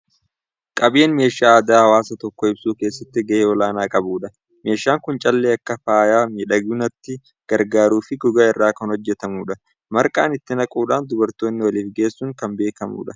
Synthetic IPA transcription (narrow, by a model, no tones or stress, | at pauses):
kʼɐbeːnme̞ːʃaːɐd̪aːhɐwaːsɐt̪ɔkːɔɪbsuːke̞ːsːɐt̪ːɪɡɐʔeːɔlaːnaːkʼɐbuːᶑɐ | me̞ːʃaːŋkʊnt͡ʃʼɐlːeːɐkːɐfaːjaːmiːᶑɐɡʊnɐt̪ːɪ | ɡ̥ɐɾɡaːɾuːfɪɡɔɡaːɪrːaːkɐnhɔd͡ʒːɛt̪ɐmuːᶑɐ | mɐɾkʼa̰ːnɪt̪ːɪnɐkʼuːᶑaːnd̪ʊbɐɾt̪o̞ːnːɪwɐliːfɡe̞ːsːuːŋkɐmbe̞ːkɐmṵːᶑɐ